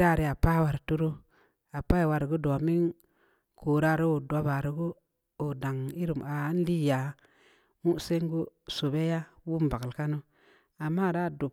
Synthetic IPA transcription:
ɾa˦˨ɾi˨a˨pa˦wa˨ɾtu˦ɾo˦ | a˨pa˦i˨wa˨ɾɡu˦do˨mi˦ŋ | kʰo˨ɾa˦˨ɾo˦o˨do˨ba˨ɾi˨˦ɡu˦ | o˨da˨ŋi˦ɾu˨ma˨˦n˦li˦ja˨ | mu˦se˦ŋɡu˦so˨be˦ja˦wu˦mba˨klka˦no˦ | a˨mːa˦˨ɾa˦˨du˨b

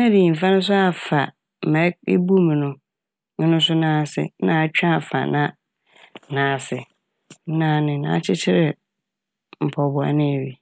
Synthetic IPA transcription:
mɛ˦di˨m̩˨fã˦nʊ̃˦s̬ʊ˦a˨fa˨ | m̩˨mɛ̃˨˦e˦bu˦m˨nʊ̃˨ | n̩˦nʊ̃˦sʊ˦nãː˦sɪ̰˨˦nã˨t͡ɕᶣã˦˨fa̰˨nã˦ | nãː˨˦˨sɪ˨˦ | nã˦nɪ̃˨nã̰ː˨˦t͡ɕʰɪ˦t͡ɕʰɪ˦ɾɪ˨ | m̩˨pʰɔ˨bʊ˨a̰˨nɪ̃˦æ˨ɥi˨

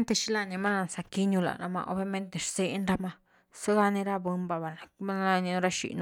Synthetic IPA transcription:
nt̪e˧ʃi˦la˧ni˧ma˦na˧nsa˧ki˦ɲu˧la̰˨na̰˧ma̰˧ʔo̰˧bja˧me˦nt̪ne˨ʂse˦nɾa˦ma˦ | sa˦ɡa˧ni˧ɾa˦bɨ˧mba˧βa˨na˨ma˦n˦˧ni˧no˧ɾa˦ʃḭ˨no˧

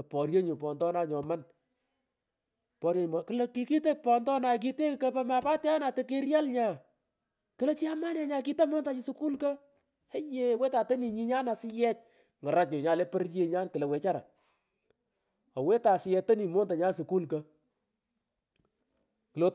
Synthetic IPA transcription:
pɔ˨rje˦ɲu˨pɔ˨ndɔ˦na˦ɲɔ˨ma˦n | pɔ˨ɾje˦ɲ˨ma˨kɨ˨lɐ˦ki˨ki˦te˦k̚pɔ˨ndɔ˦na˨k̬i˦te˦kɐ˦pɛ˦ma˨pa˦tɛ˦a˦na˨te˦ke˦ɾja˦lɲa˨ | kɨ˦lɐ˦t͡ʃi˦a˦ma˦na˨ɲa˨k̬i˦ta˦mo˦nta˨˦t͡ʃi˦su˦ku˦lkɐ˦ | e˦je˦we˦ta˨te˦ni˨ɲi˦ɲa˦na˨sɪ˦jɛ˦t͡ʃ̚ | ŋɔ˨ɾa˦t͡ʃɲʊ˨ɲa˨lɛ˦pə˦rje˦ɲa˦nkɨ˨le˨wɛ˨t͡ʃa˦ɾa̰˨ | ɔ˨we˦ta˨sɪ˨jɛ˨to˦ni˨mo˦nta˨ɲa˦su˨ku˦lkɐ˦ | kɨ˨lo˦

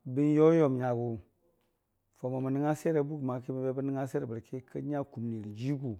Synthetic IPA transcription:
bi˦n˦jo˦jo˦mɲa˨ɡu˨ | fo˨ma˨mə˨ni˦ŋa˦se˦ɾe˨bu˦kma˨ki˦mi˨be˦bə˦ni˦ŋa˦se˦ɾe˨bə˨ɾki˦kʰə˦ɲa˦ku˨mni˨ɾi˨d͡ʒi˦ɡu˨

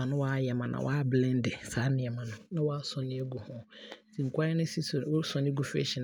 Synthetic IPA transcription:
ã˨nʊ̃˦waː˦jɛ˨mã˨nʔã̰˨waː˦blɛ̃˦n˦dɛ˨saː˨˦nɪ̃˨ɛ˨mã˨nʊ̃˨nã˦wa˦sɔ̃˨nɪ̃˦ɛ˦ɡu˨hɔ̃˦˨sĩ˨ŋ̩˨kʷʰa˦ɛ˦nʊ̃˦si˦˨˦sɔ̃˨nɪ̃˦ɡu˨fḛ˦ɕɛ˨n

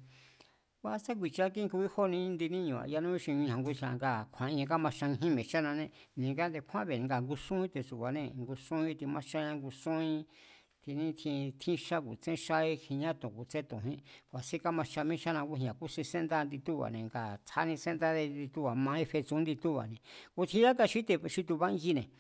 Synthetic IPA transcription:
wa˧˦sa˦k̬ʷi˧t͡ʃa˦kĩ˦˧ku˧i˦ho˦˧nĩ˧˦˧nd̪i˧nĩ˦ɲũ˨a̰˨ja˧nũ˦i˦ʃĩ˧ɲĩ˧hã˧ŋɡu˧ʃã˧ŋɡa˧˨kʷʰã˨ĩ˧ã˧ka˦mã˧ʃa˧ĩ˧ɦĩ˦mẽ˨t͡ʃa˦nã˧nẽ˧ | nĩ˨ŋɡa˦nd̪e˧kʷʰã˦βe˧˨nĩ˧ɡa˨ŋɡu˧sũ˦ĩ˦t̪e˧su˨kʷa˨nẽ˧ŋɡu˧sũ˦ĩ˧˦t̪i˧mã˦ʃa˦˧ɲã˧ŋɡu˧sũ˦ĩ˧ | t̪i˧nĩ˦t̪ʰĩ˧t̪ʰĩ˦ʃa˦kṵ˨t͡sẽ˦ʃa˦i˦hĩ˧ɲã˦t̪õ˨ku˧t͡sẽ˦t̪ũ˨ɦĩ˦kʷa˨si˦˧ka˦mã˧ʃa˧mĩ˦ʃa˦nã˧ku˦hĩ˧ã˨ku˦sĩ˧sẽ˦nd̪a˦˧nd̪i˧t̪u˦βa̰˨nẽ˨ŋɡa˨t͡sʰa˦nĩ˧sẽ˦nd̪a˦ðe˧d̪i˧t̪u˦βa˨mã˧˦ĩ˦fe˧t͡sũ˦nd̪i˧t̪u˦βa̰˨nẽ˨ku˧t̪ʰĩ˧˦a˦ka˧ʃi˦t̪e˧ʃi˦t̪̬u˧βa˦ɡi˦nẽ˨

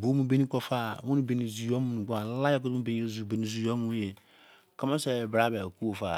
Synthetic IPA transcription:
bo˨˦mũ˨be˦ni˦kɔ˨fa˦˨wũ˦ni˦be˨ni˨zu˨jɔ˦mu˦nũ˨ɡa˨˦la˦jɛ˦k̬u˦ũ˦be˦ni˦e˦zu˨be˨ni˨zu˨jɔ˦mũ˨˦je˨ | ka˦ma˦sɛ˨bɾa˦bɛ˨ku˦wo˨fa̰˦˨

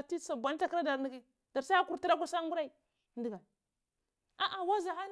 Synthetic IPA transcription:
ti˦t͡sa˨bʷa˨n˦ta˦kɾa˦da˨ɾni˨ɡi˦ | d̥a˨ɾsa˦a˦ku˨ɾti˦ɾa˦kʷa˦sa˦ŋɡu˦ɾa˦i˨ | ndi˨ɡa˨ | a˨ʔa˨wa˦za˨xa˦n

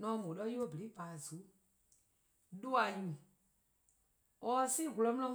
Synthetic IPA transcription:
nɔ̃˨˦mõ˨ɗɔ˧˦u˦o˦˨bə˨ɾi˨˦baː˨zu˨˦ | ɗu˦a˨ɲũ˨ | ɔ˦si˦˨ɦu˨lɔ˨˦mũ˦lɔ̃˦m

